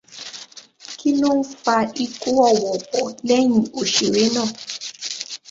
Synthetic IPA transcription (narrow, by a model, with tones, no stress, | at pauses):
ki˦no˦ŋ˦fa˧i˦kʼu˦ɔ˦˨wɔ˨ɔ˨lɛ˦ɲ˨u˨ʃi˨ɾe˦nɔ˦˧˨